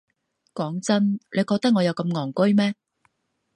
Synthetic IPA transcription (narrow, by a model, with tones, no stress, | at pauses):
kɔː˨˥ŋt͡sɐ˥nle˨˧jkɔː˧k̚t̪ɐ˥k̚ŋɔː˨˧jɐ˨˧wkɐ˧mŋɔː˨˩ŋkɵ˥jmɛː˥